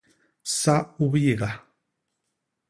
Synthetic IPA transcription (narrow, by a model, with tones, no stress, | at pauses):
sa˦u˦βi˦ji˨ɣa˨